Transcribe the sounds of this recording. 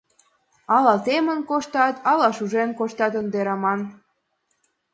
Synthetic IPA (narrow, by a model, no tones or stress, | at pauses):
ɑlɑt̪emə̆nkoʃt̪ɑt̪ʰɑlɑʃuʒenkoʃt̪ɑt̪ə̆nd̪eɾɑmɑn